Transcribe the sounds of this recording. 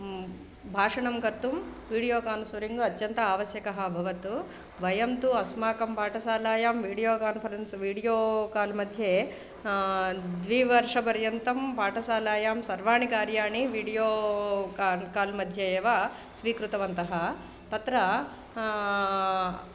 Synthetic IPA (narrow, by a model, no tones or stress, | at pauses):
bʱaːʂɐɳɐmkɐt̪ːumʋiːɽijoːkaːnusʋɐɾiŋɡuɐt̪jɐnt̪ɐaːʋɐsjɐkɐɦɐ̆bʱɐʋɐt̪u | ʋɐjɐmt̪uɐsmaːkɐmpaːʈʰɐsaːlaːjaːmʋiːɽijoːkaːnpʰɐɾensʋiːɽijoːkaːlmɐd̪ʱjeː | d̪ʋiʋɐɾʂɐpɐɾjɐnt̪ɐmpaːʈɐsaːlaːjaːmsɐɾʋaːɳikaːɾjaːɳiʋiːɽijoːkakaːlmɐd̪ʱjeeːʋa | sʋiːkɾut̪ɐʋɐnt̪ɐɦɐ | t̪ɐt̪ɾɐ